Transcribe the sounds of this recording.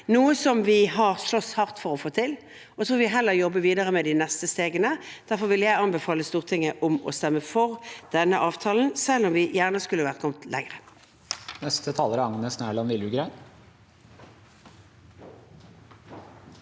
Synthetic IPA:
nuːəsɔmʋɪɦɑʁʂɭɔshɑʁt̪fɔʁɔfoːt̪ʰɪl | ɔt̪ʰɾuːʋɪɦɛlːəʁjɔbːəʋiːd̪əʁəmɛd̪ɪnɛst̪əst̪eːɡənəd̪̥æʁfɔʁʋɪljæɪɑnbɛfɑːləst̪uːʁt̪ʰɪŋːəʔʊmɔ̰st̪ɛmːəfɔʁd̪̥ɛnːəʔɑːʋt̪ʰɑːln̩sɛlːɔmʋɪjæːʁnəskʉlːəʋæʁt̪kʰɔmt̪lʔɛ̰ŋʁə | nɛst̪ət̪ʰɑːləɾəɑŋnəsnæːɭɑnʋɪlʉɡɾæɪ

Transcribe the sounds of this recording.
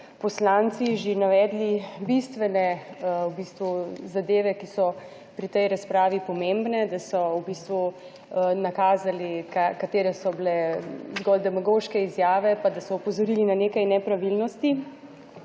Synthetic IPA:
pɔslaːnt̪siʒenaʋɛːd̪libist̪ʋɛnɛwbist̪ʋuzad̪eːʋɛkisɔ | pɾit̪ɛjɾaspɾaːʋipɔmembnɛd̪asɔubiːst̪ʋu | nakaːzalikakat̪eːɾɛsɔblɛzɡɔld̪ɛmaɡoʃkɛizjaːʋɛpad̪asɔupɔzɔɾiːlinaneːkajnɛpɾaʋilnɔst̪i

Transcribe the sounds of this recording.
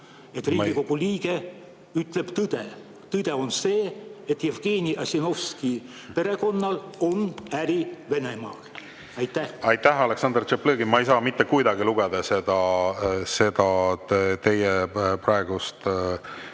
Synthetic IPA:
e̞t̪ːˑriːɡiko̞ɡ̥uliːɡ̥e̞ | yt̪ˑle̞b̥t̪ɯd̪̥e̞ | t̪ɯd̪̥e̞o̞nse̞ːet̪jevɡ̥eːnʲiʔɑsʲino̞fski | pe̞ɾe̞ko̞nːɑlo̞næɾive̞ne̞mɑ̰ːl | ɑjt̪ːˑæhɑjt̪ːæhɑle̞ksɑnd̪̥rt͡ʃepleːɡimɑejsɑːmit̪ːekujd̪ɑɡiluɡ̥ɛd̪̥ɑse̞d̪̥ɑ | se̞d̪̥ɑt̪e̞jɛprɑeɡ̥ust̪

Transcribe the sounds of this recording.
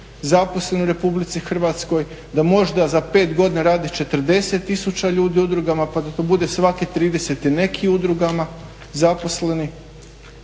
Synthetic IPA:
zapo̞slˠe̞nuɾe̞publit̪sixr̩ʋat̪sko̞j | d̪amo̞ʒd̪azape̞ːt̪ɡo̞d̪ineɾaːd̪it͡ʃe̞t̪r̩d̪e̞se̞t̪ːisut͡ɕaʎuːd̪iud̪ɾuɡamapad̪at̪obud̪e̞sʋakit̪ɾiːd̪e̞se̞t̪ine̞kʰiud̪ɾuɡama | zapo̞sle̞ni

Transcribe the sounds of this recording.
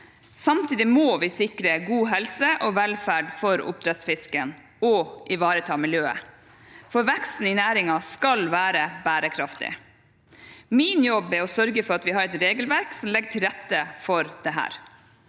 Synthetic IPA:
sɑmt̪ʰiːd̪ɪmoːʋɪsɪkɾəɡuːɦɛlsəʔɔʋɛlfæːɖfɔɾʊ̰p̚d̪ɾɛt̪sfɪskən | ɔʔɪʋɑːɾət̪ʰɑːmɪljøːə̰ | fɔɾʋɛkst̪n̩ɪnæːɾɪŋɑskɑlʋæːɾəbæːɾəkʰɾɑft̪ɪ̰ | mɪnjɔbɛɾɔsœɾɡəfɔɾɑt̪ʋɪhɑɾɛt̪ɾeːɡəlʋæɾksɔmlɛɡəʈʰɪlɾɛt̪ːəfɔɾd̪̥ɛɦæ̰ːɾ

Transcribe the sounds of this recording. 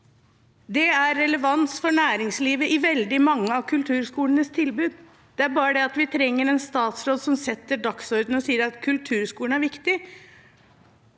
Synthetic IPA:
d̪ɛæɾːɛləʋɑnsfɔɳæːɾɪŋsliːʋəʔɪʋɛld̪ɪmɑŋːəɑʋkʰʉlt̪ʰʉːɾskuːlənəst̪ʰɪlbʉːd̪ | d̪̥ɛæɾbɑːɾəd̪ɛɑt̪ʋɪt̪ʰɾɛŋːəɾɛnst̪ɑːt̪sɾoːd̪sɔmsɛt̪ːəɖɑksɔɾd̪n̩ɔsiːəɾɑt̪kʰʉlt̪ʰʉːɾskuːləɳæɾʋɪkt̪ɪ

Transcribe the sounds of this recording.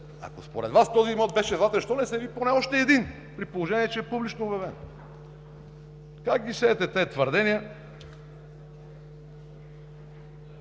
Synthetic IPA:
a̰kospoɾɛd̪vast̪ɔziːmɔt̪̚bɛʃɛznat̪ɛnʃt̪ɔnɛsɛviponɛɔʃt̪ɛːd̪in | pɾipolˠoʒɛniɛt͡ʃɛɛpublit͡ʃnoobjɐvɛn | kakɡisɛːt̪ɛt̪ɛt̪vəɾd̪ɛniə

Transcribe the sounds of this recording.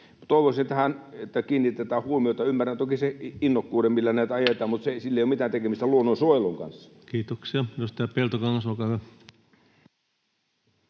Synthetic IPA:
t̪oˑiʋosinet̪ːæhænet̪ːækiːnːit̪ːet̪æːhuomiot̪ɑymːærænt̪okiseinːokːuːdemilːænæːˑt̪ɑjet̪ˑɑːmmut̪seeˑisilːeijomit̪æːnt̪ekemist̪æluonːonsuoˑloŋkɑ̰nsːɑ̥ | kiːt̪oksiɑjost̪æːpelt̪okɑŋːɑsolkɑˑhyæ

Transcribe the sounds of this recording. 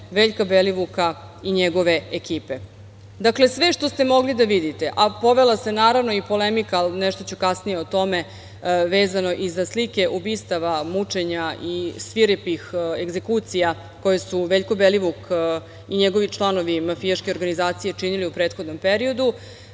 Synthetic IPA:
ʋeːʎkabeliʋuka | iɲeɡo̞ʋe̞ekiːpe̞ | d̪akle̞sʋe̞ʃt̪o̞st̪e̞mo̞ɡlid̪aʋid̪it̪e̞ʔapo̞ʋe̞lasenaːɾaʋno̞ipo̞lemikalnɛʃt̪o̞t͡ɕukasnijeot̪o̞me̞ | ʋe̞ːzano̞ʔizaslike̞ʔubiːst̪aʋamut͡ʂe̞ɲaisʋiɾepixeɡze̞kut̪sija | ko̞jesuʋeʎkobeliʋuk | iɲeɡo̞ʋit͡ʃlˠano̞ʋimafijaʃkeo̞ɾɡanizaːt̪sije̞t͡ʃiniliupɾe̞ːt̪xo̞d̪no̞mpeɾio̞d̪u

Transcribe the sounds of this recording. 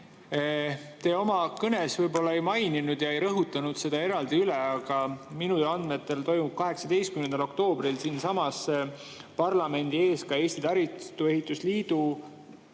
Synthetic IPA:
t̪e̞ːo̞mɑkɤne̞svɤjbo̞lːɑe̞jmɑjninud̪̥jɑe̞jɾɤɦut̪ːˑɑnud̪̥se̞d̪̥ɑe̞ɾɑld̪̥iyleɑɡ̥ɑminud̪elɑnd̪me̞t̪ːˑe̞lt̪o̞jmub̥̚kɑɦe̞ksɑd̪e̞jst̪kymnend̪ɑlo̞kt̪o̞ːbrilsiːnsɑmɑs | pɑrlɑme̞nʲd̪̥ie̞ːskɑe̞ːst̪it̪ɑɾvit̪ue̞ɦit̪ːˑusliːd̪̥u

